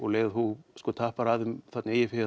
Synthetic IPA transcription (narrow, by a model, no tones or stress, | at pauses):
ɔɣleːjɣðhuskɔt̪ʰaːhpaɾaːðʏmθat̪nɪeːjɪfɪ